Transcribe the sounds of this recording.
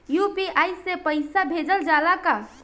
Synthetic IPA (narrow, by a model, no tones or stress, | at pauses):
jupiaːjsepəɪsabʱed͡ʒəld͡ʒalaka